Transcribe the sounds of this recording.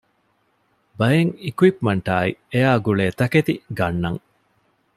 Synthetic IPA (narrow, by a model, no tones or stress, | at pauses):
bɐjeŋikwipmɐɳʈaːḭejaːɡuɭeːt̪ɐket̪iɡɐnːɐŋ